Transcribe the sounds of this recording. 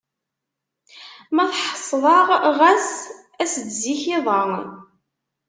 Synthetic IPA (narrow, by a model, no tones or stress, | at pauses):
mæθħə̥sˤːðˤɑʁʁæs | æsd̪ziçɪðˤɑʁ